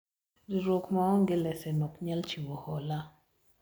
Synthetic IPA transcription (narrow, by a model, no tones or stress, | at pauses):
diɾokmaɔŋɡɪlɛsɛnɔkɲɛlt͡ʃiwɔhɔla